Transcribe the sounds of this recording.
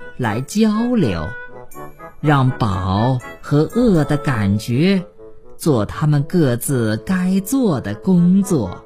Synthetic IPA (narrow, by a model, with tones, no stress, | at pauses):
la˧˥ɪt͡ɕjɑ˥ʊljo̰˧˥ʊ | ɻɑ˥˩ŋpɑ˨˩ʊxɤ˧˥ʔɤ˥˩d̪ə˨ka˨˩nt͡ɕɥɛ˧˥ | t͡swɔ˥˩t̪ʰa˥mə˨nkɤ˥˧t͡sɹ̩˥˩ka˥ɪt͡swɔ˥˩d̪ə˩kʊ˥ŋt͡swɔ˥˩